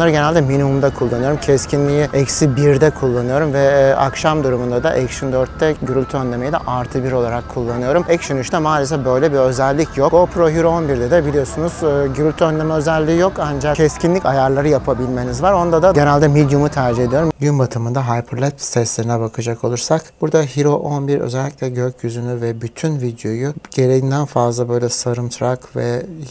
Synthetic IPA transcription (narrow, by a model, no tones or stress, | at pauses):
nˠaɾɯɟe̞nælʲd̪ɛminimumd̪akʰulˠːanɯjo̞ɾumcʰɛscʰinlʲijiɛcsibiɾd̪ɛkʰulˠːanɯjo̞ɾumvɛa̰kʃamd̪uɾumund̪ad̪aʔɛkʃund̪øɾt̪ːɛɟyɾylʲt̪ʰyø̞nd̪ʲe̞mejid̪ɛ̰ʔaɾt̪ʰɯbiɾo̞lˠaɾakʰːulˠːanɯjo̞ɾumɛcsynyʃnɛmaːlʲesɛfbø̞jlʲɛbiø̞zɛlʲːicʰjo̞kopʰɾo̞ɦyɾo̞nbiɾd̪ɛd̪ɛbilʲijo̞sunuz̥ɯːɟyɾulʲt̪ʰyønd̪ʲemɛøzɛlʲːiːjo̞kand͡ʒacʰɛscinlʲicajaɾlˠaɾɯjapʰabilʲme̞nizvaɾo̞nd̪ad̪aɟe̞nælʲd̪ɛmid̪jumut̪ʰæɾd͡ʒiɦe̞d̪ijo̞ɾumɟynbat̪ʰɯmɯnd̪aɦajpʰɯɾlʲɛpst̪ɛslʲeɾinɛbakʰɯd͡ʒakʰo̞lˠuɾsakbuɾd̪aɦiɾo̞ʔonbiɾø̰zɛlʲːicʲlʲɛɟøcʰjyzynyvɛbyt̪ʰynvid̪jo̞juɟ̥e̞ɾe̞jind̪ænfazlˠabø̞jlʲɛsaɾɯmt̪ʰɾakvɛ̰